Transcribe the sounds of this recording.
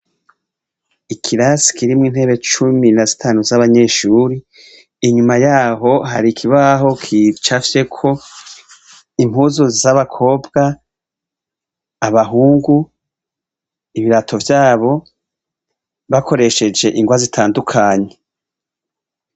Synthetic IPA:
ikʰiɾasi̥kʰiɾimŋiːn̥he̞ːβet͡ʃuminazitʰaːnuzaβaɲe̞ːʃuːɾiː | ɲumajaːɦo̞ɦaɾikʰiβaɦo̞kʰit͡ʃafse̞kʰo̞ | im̥huzuzaβakʰo̞ːbɡa | βaɦuːŋɡu | iβiɾatʰo̞vjaːβo̞ | βako̞ɾe̞ʃe̞d͡ʒe̞ʔiŋɡwazitʰaːndukʰaɲe̞

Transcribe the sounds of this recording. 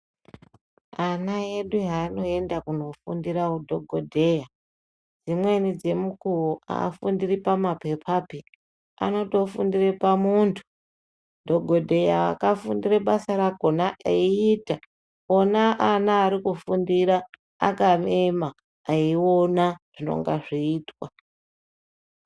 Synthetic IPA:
anaje̞ɗuɦaːno̞e̞ndakuno̞fṵndiɾakudʱo̞ɡʱodʱe̞ja | d͡zimwe̞nid͡ze̞mukuwoʔa̰ːfundiripamape̞pʰapi | a̰no̞to̞fundirepamuntʰu̥ | dʱo̞ɡʱo̞dʱe̞jaa̰kafundireɓasaɾaɡʱo̞naʔeiːta | onaʔanaːɾikufundiɾa | a̰kamemaː | iwo̞naʐ̥ino̞̰ŋɡaʐiːtwa

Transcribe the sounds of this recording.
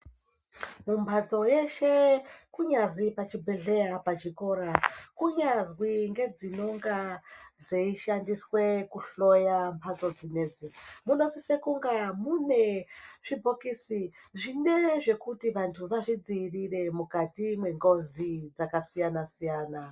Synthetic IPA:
mumpʰad͡zo̞je̞ʃe̞kuɲazipat͡ʃibʱeɮe̞japat͡ʃiko̞ɾakuɲazwiŋɡe̞d͡zino̞ŋɡad͡zeiʃandiswe̞kuɬo̞jampʰat͡so̞d͡zine̞ːd͡zimuno̞sisekuŋɡamune̞ʐ̥ibʱokisi | ʐineʐe̞kutiʋantʰuʋaʐid͡ziːrire̞mukatimwe̞ŋɡo̞zid͡zakasijanasijaːna

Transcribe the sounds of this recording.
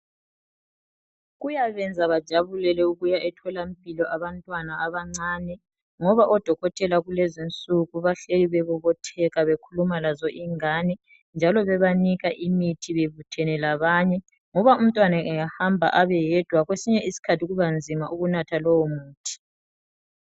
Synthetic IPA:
ɣujaβɛnd͡zʱaβad̥ʒ̥ʱaβulɛlɛuɣujaʔɛtʰɔlam̩pʼilɔʔaβantʼwanaaβaŋ͡ǀaːnɛ | ŋɔβaʔɔd̥ʱɔɣɔtʰɛlaɣulɛzint͡sʼuɣuβaɬeliβɛβɔβɔtʰɛɣaβekʰulumalazɔʔiŋanɛ | nd͡ʒʱalɔβɛβaniɣaʔimitʰiβeβutʰɛnɛlaβaːɲɛ | ŋɔβaum̩tʼwanaɛjahambʱa̰ʔaβɛjɛd̥ʱwaɣwesiɲɛʔisi̥kʰatʰiɣuβand͡zʱimaʔuɣunatʰalɔwɔmuːtʰi̥

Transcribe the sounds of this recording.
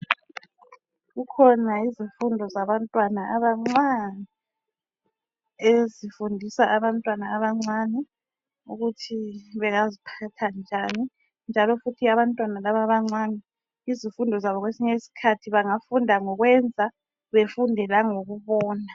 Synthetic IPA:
ɣukʰɔnaizifundʱɔzaβantʼwanaʔaβaŋ͡ǀwanɛ | ezifundʱisaʔaβantʼwanaːβaŋ͡ǀwanɛ | ṵɣutʰiβɛɣazipʰatʰand͡ʒʱani | nd͡ʒʱalɔfutʰiaβantʼwanalaβaβaŋ͡ǀwanɛ | izifundʱɔzaβɔɣwesiɲesi̥kʰatʰiβaŋafundʱaŋɔɣwɛnd͡zʱa | βefundʱɛlaŋoɣuβɔːna

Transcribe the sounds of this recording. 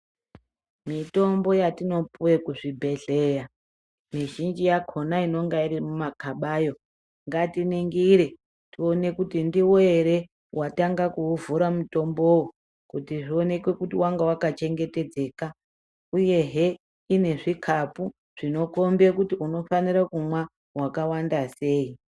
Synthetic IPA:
mito̞mbo̞jatino̞puwekuʐibʱe̞ɮe̞ja | miʒind͡ʒijakʰo̞naino̞ŋɡaiɾimumakaɓaːjo̞ | ŋɡatiniŋɡiɾe | tio̞ne̞kutindiwoeɾe̞ | wʔataŋɡakuːvuɾamuto̞mbo̞wo | kutiʐio̞ne̞kwe̞kutiwaŋɡawakat͡ʃe̞ŋɡe̞te̞d͡ze̞ːka | uje̞ɦe | ine̞ʐikʰapu | ʐ̥ino̞ko̞mbekutiuno̞faniɾakumwa | wakawandase̞ːi

